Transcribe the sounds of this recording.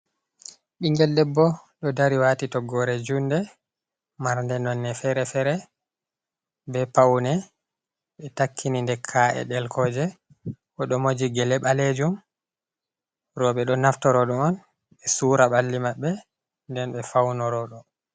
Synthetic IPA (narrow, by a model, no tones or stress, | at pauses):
ɓiŋɡɛldɛbːɔɗɔdaɾiwatitɔɡɔɾɛd͡ʒundɛ | maɾndɛnɔnːɛfɛɾɛfɛɾɛ | bɛpawnɛ | ɓɛtakːinindɛkʰaʔɛ̰ɗɛlkʰɔd͡ʒɛ | kɔɗɔmod͡ʒiɡɛlɛɓaled͡ʒum | ɾɔɓɛɗɔnaftɔɾɔɗɔɔn | ɓɛsuːɾaɓalːimaɓːɛ | ndɛnɓɛfawnɔɾɔɗɔ